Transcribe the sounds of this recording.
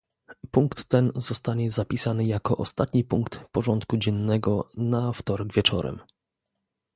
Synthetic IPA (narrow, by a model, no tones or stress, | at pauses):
puŋkt̪ːɛnzɔst̪aɲɛzapʲisanɘjakɔʔɔst̪at̪ɲipuŋkt̪pɔʐɔnt̪kud͡ʑɛnːɛɡɔnaft̪ɔɾɛɡvʲjɛt͡ʂɔ̰ɾɛ̰m